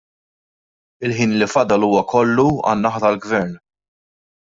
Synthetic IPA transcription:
ɪlħiːnlifɐd̪ɐluːwɐkʰɔlːuɐ̰nːɐħɐt̪ɐlɡvɛɾn

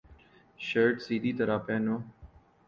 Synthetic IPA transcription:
ʃəɾʈsiːd̪ʱiːt̪əɾaːpẽːnoː

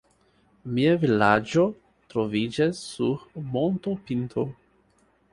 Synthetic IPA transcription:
miavilad͡ʒo̞ | t̪ɾovid͡ʒasːuɾmont̪opint̪ʰo

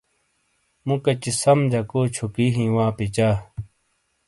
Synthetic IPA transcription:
mũkɐt͡ɕisɐmd͡ʑɐkoːt͡ɕʰukiɦĩːwãːpit͡ɕaː

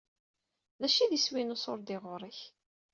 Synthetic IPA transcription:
ðæʃiðiswinʊsˤoɾˤd̪ɪʁʊɾˤiç

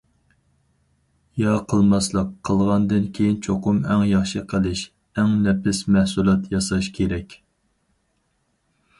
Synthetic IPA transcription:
jɑqʰəlˠmɑslˠəqʰːəlˠʁɑnd̪ɨnkʲʰejint͡ʃʰoqʊmɛŋjɑχʃiqʰəlˠɪʃ | ɛŋnɛpʰɪsmɛhsulˠɑt̪jɑsɑʃkʲʰeɾɛkʲ

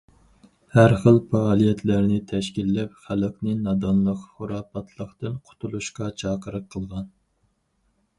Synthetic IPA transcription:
hæɾχəlˠpɑːlˠijɛt̪ʰlæɾnɪt̪ʰɛʃkʲilːɛp̚χæləqnɨnɑd̪ɑnlˠəqχʊɾɑːpɑt̪ʰlˠəχt̪ɨnqʰʊ̥t̪ʰulˠuʃqɑt͡ʃʰɑːqʰəɾəqʰːəlˠʁɑn

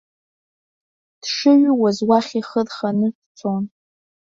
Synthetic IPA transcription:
d̥ʂɨɥwazwaχʲiχədχanɨ | t͡sʷʰon

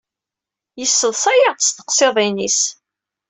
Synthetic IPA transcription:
jəsːəðˤsæjast̪ə̥qseðˤinis

